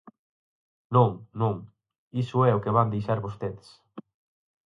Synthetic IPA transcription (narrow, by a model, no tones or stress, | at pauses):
nũŋnũŋ | isʊɛʊkeβand̪ejʃaɾβost̪eðs